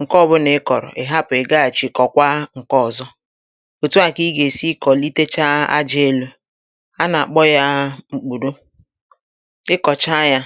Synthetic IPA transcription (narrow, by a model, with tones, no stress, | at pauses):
ŋ̩˨kɔ˦˨bʊ˦ne˨˦kɔ˨ɾɔ̰˨ʔe˨ɦa˦pʊ˨e˨ɡa˦a˨t͡ʃi˨kɔ˨kʷa˦ŋ̩˨kɔ˦˨zɔ˦ | o˨tu˦a˨ki˦ɡe˨si˦kɔ˨li˦te˦t͡ʃa˦a̰˦d͡ʒe˦lo˦ | a˦na˨a˨k͡pɔ˦ja˦ŋ͡m̩˨k͡pu˨do˦ | ɪ˦kɔ˨t͡ʃa˦ja˦